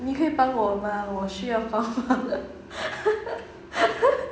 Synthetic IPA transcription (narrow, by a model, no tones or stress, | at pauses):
nikʰɤipanwɔməwɔɕyjɑʊfɑŋfad̪ə